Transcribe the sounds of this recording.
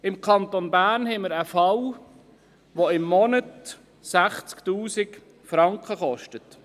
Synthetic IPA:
ɪmkʰɑnt̪onbæːrnhɛjməɾəfɑw | ʋoɪmːɔnət | sæχt͡skt̪uːsɪk | fɾɑŋkχəχɔʃtət

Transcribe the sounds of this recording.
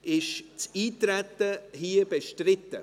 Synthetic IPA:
ʔɪʃt͡siːtɾɛtəhiːəbeʃtrɪt̪ə

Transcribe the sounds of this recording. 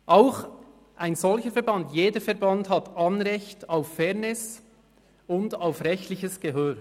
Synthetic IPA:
ʔaʊx | ʔaɪnzɔlçəfɛɐɾbɑntjeːdəfɛɾbɑnthɑtʰɑnɾɛçtaʊffɛʁnɪs | ʊndaʊfɾɛçtlɪçəsɡ̥ɛɦøːɾ

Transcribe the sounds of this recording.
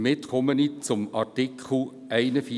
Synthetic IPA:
mɪtkʰɔmənit͡sʊmɑɹtɪkʰχl̩ | æɪnəfi

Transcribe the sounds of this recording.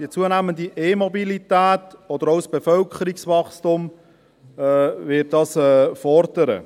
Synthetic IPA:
iət͡suənæːməndiʔeːmɔbilitæːtɔd̥̪əɾoʊsb̥efœlkʰχəɾiksʋɑχstʊm | ɛvɪt̚d̥ɑːsɛːfɔɾd̥əɾə̰

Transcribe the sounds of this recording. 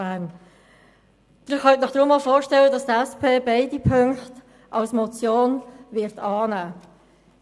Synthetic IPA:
æn | d̥ɪχɑtnɪχd̥ɾʊmːɑlfɔːɾʃtɛlədɑst̪ɛspʰeːbeɪdipʰɵŋkχt | ʔɑlsmɔt͡sjoːnvɪɾtʰɑːnæː

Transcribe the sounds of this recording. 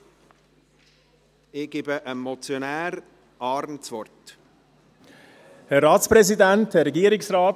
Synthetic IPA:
ɪɡ̥ɪbəʔəmɔt͡sjonæːɾ | ɑːɾnt͡svɔɾt | hɛɾɾɑːtspɾɛzidænthɛɾɛɡiːəɾɪksraːt

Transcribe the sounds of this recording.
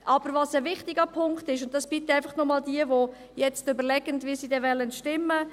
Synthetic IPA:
ʔɑb̥əɾvɑsəvɪχtɪɡəpʰʊŋktɪʃʊnttːɑsb̥it̪əæɪfɑχnɔmɑːld̪iəvo | jɛt͡stʏbəɾlɛɡ̥əndviːsiːdɛvɛlːəntʃtɪmːə

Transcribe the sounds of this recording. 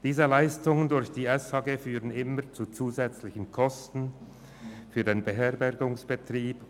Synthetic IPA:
d̥iːzəlaɪstʊŋəndʊɾçd̥iːʔɛshɑɡeːfyːʁənɪməʁt͡sut͡suːzɛt͡slɪçən̩kʰɔstn̩ | fyːɐdeːnbəɦɛɐʁbɛɐɡʊŋsb̥ətʁ̥iːp

